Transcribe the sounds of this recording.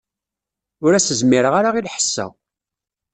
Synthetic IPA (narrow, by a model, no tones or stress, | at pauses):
ʊɾæsəzmiɾəʁaɾaʁilħə̥sːæ̰